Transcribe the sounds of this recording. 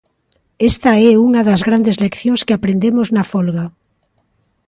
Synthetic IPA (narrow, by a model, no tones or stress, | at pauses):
est̪ɐɛuŋaðazɣɾand̪ezlekθjõŋskɪapɾend̪emoznafolɣa